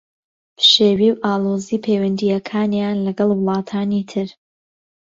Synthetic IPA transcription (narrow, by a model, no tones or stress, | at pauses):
bʃeːwiːwʔaːlˠoːziːpʰeːwɐnd̪ijɐkʰaːnjaːnlɐɡɨlˠwʊlˠɑːt̪ʰaːniːt̪ʰɨɾ